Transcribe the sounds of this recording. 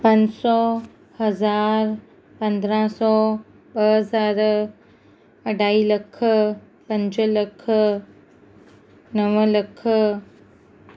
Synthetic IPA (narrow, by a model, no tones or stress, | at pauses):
pɐ̃ɲd͡ʑsɔ | hɐzaːɾ | pɐ̃nd̪ɾãsɔː | ɓəɦəzaːɾ | ɐɖaːiːlɐkʰə | pɐ̃ɲd͡ʑələkʰə | nɐʋəlɐkʰə